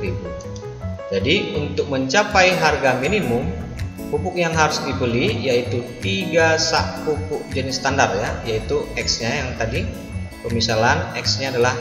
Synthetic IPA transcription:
ɾibu | d͡ʒadiunt̪ʊk̚məɲt͡ʃapajɦarɡaminimʊm | pupʊk̚jaŋɦaɾʊsdibəlihjait̪ut̪iɡasa̰ʔpupʊk̚d͡ʒənɪst̪andart̪̚jajait̪uɛksɲajaŋt̪adi | pərmisalanɛksɲaːdala

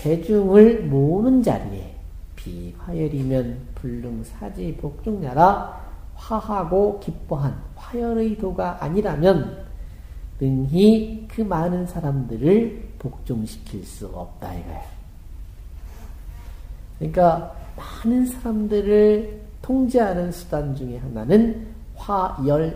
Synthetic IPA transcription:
e̞d͡ʑuŋɯɭmonɯnd͡ʑa̰ɾie̞̰ | pḭɸwajʌɾimjʌnpuɭːɯŋsʰad͡ʑipok̚t͡ɕ͈oŋnaɾaɸahaɡokip͈oɦanɸajʌɾɯidoɡaʔaɲiɾamjʌn | ɯŋɦikɯmanɯnsʰaɾamdɯɾɯɭpok̚t͡ɕ͈oŋɕʰi̥kʰiɭs͈uʌ̰p̚t͈aiɡʌjo | kɯɲik͈amanɯnsʰaɾamdɯɾɯɭ | tʰoŋd͡ʑeɦanɯnsʰu̥dand͡ʑuŋeɦananɯn | ɸajʌɭ

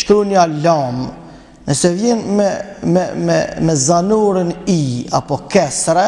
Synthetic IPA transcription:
ʃk̪ɾunjalɔm | nəsɛvjɛnmɛmɛmɛ̰mɛzanuɾənia̰pɔkɛsɾɛ

